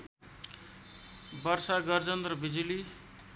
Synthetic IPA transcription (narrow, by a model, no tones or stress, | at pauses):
bʌrsaɡʌrd͡zʌnd̪rʌbid͡zuli